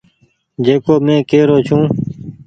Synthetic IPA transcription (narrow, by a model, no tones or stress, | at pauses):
d͡ʒeːkoːmẽːkeːɾoːt͡ʃʰũː